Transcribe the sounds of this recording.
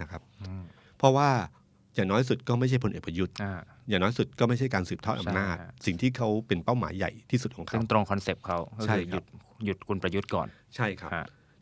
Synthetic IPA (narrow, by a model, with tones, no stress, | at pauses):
na˦˥kʰa˦˥p̚ː | pʰːɔ˦˥waː˥˩ | jaː˨˩ŋnɔː˦˥jsu˨˩t̪̚kɔː˥˩ma˥˩jt͡ɕʰa˥˩pʰo˧nʔeː˨˩k̚pɾa˧ju˦˥t̪̚a˧˩ | jaː˨˩ŋnɔː˦˥jsu˨˩t̪̚kɔː˥˩ma˥˩jt͡ɕʰa˥˩jkaː˧nsɯː˨˩p̚t̪ʰːʔa˧naː˥˩t̪̚si˨˩ŋt̪ʰiː˥˩kʰa˦˥wpe˧npa˥˩wma̰ː˩˦jːa̰˨˩jt̪ʰiː˥˩su˨˩t̪̚ʰɔ˨˦ŋkʰɯ˥˩ŋt̪ɾo˧ŋkʰɔ˧nse˨˩p̚kʰa˦˥wkɔ˥t͡ɕʰa˥ɯː˧ju˨˩t̪̚ju˨˩t̪̚kʰu˧npɾa˧ju˦˥t̪̚kɔ̰ː˨˩n | t͡ɕʰa˥˩jkʰa˦˥˦